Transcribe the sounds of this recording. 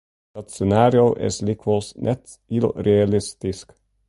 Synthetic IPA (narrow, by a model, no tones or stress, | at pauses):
dɑt̪sɛnaːɾjoʔɪ̰slikʰwəlˠsnʔɛt̪ | ilreɑlɪst̪ɪsk